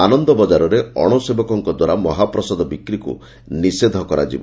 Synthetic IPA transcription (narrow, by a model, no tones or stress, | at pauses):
anɔnd̪ɔbɔd͡ʒaɾɔɾeɔɽ̃osebɔkɔŋkɔd̪waɾamɔɦapɾɔsɔd̪ɔbikɾikṵ | nised̪ʱɔkɔɾa̰d͡ʒḭbɔ